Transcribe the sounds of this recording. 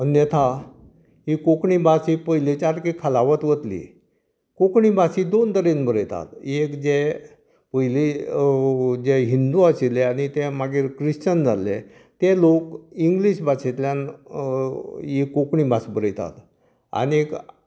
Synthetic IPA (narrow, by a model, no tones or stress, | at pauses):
ənjət̪ʰa | ɦikokɳibasipəɦjlet͡ɕaɾkikʰalaʋət̪ʋət̪lḭ | kokɳibasid̪ont̪əɾenbəɾəjt̪a̰t̪ekd͡ʑe | pəjli | d͡ʑeɦind̪uasileañit̪ɛmaɡiːɾkɾiɕt͡ɕənd͡za̰lḛ | t̪elokiŋɡliɕbat͡ɕet̪ljan | ikokɳibasbəɾəjt̪a̰t̪ | a̰niek